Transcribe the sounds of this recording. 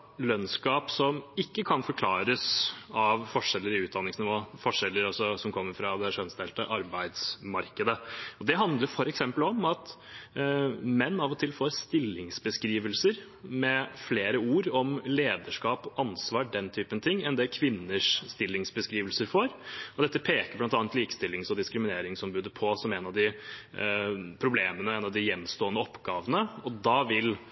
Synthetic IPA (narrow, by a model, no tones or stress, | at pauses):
lœnskɑːpsɔmɪkːəkʰɑnfɔɾkʰlɑːɾəsɑʋfɔʂɛlːəɾɪʉːt̪̚d̪ɑnːɪŋsnɪʋoːfɔʂɛlːəɾɔsɔsɔmkʰɔmːəɾfɾɑd̪ɛʂœnsd̪eːlt̪əʔɑɾbæɪd̪smɑɾkəd̪əɔd̪ɛɦɑnd̪ləɾfɔɾɛksɛmpəlɔmɑt̪ | mɛnːɑʋɔt̪ʰɪlfoːɾst̪ɪlːɪŋsbəskɾiːʋəlsəɾ | mɛfleːɾəuːɾɔmleːd̪əʂkɑːpʔɑnsʋɑːɖɛnt̪ʰyːpənt̪ʰɪŋːɛnd̪ɛkʰʋɪnːəʂst̪ɪlːɪŋsbəskɾiːʋəlsəɾfoːɾɔd̪ɛt̪ːəpʰeːkəɾblɑnt̪ɑːnt̪liːkst̪ɪlːɪŋsɔd̪ɪskɾɪmɪneːɾɪŋsɔmbʉːd̪əpʰɔsɔmɛnɑʋd̪ɪ | pʰɾʊbleːmənəɛnɑʋd̪ɪjɛnːst̪oːənəɔpːɡɑːʋənəɔd̪ɑʋɪl